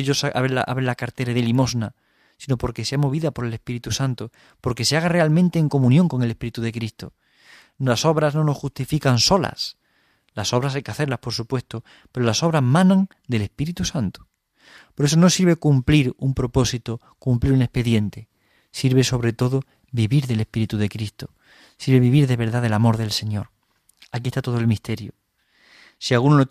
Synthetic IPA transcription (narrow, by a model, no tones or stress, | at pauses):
eʎo̞sa̰βela̰ʔa̰βɾenlakaɾt̪e̞ɾaðelimo̞sna | sino̞po̞ɾke̞se̞amo̞β̞iðapo̞ɾe̞le̞spiɾit̪usant̪o | po̞ɾke̞se̞aɣare̞almẽnt̪e̞ːŋko̞mũnjoŋko̞ŋelepiɾit̪uðe̞kɾist̪o | naso̞βɾazno̞no̞xust̪ifikanso̞la̰s | laso̞βɾasajkeaθe̞ɾlaspo̞ɾsupwe̞st̪o | pe̞ɾo̞laso̞β̞ɾazmãnãŋ | d̪e̞le̞spiɾit̪usant̪u̥ | po̞ɾe̞s̬ono̞siɾβe̞kumpliɾumpɾo̞po̞sit̪o | kumpliɾune̞spe̞ðje̞nt̪e | siɾβe̞so̞βɾe̞t̪o̞ðo | biβiɾðe̞lespiɾit̪uðe̞kɾist̪o̥ | siɾβe̞βiβiɾðe̞βe̞ɾðaðelamo̞ɾðe̞lse̞ɲo̞ɾ | akit̪at̪o̞ðoelmist̪e̞ɾjo | sialɣunono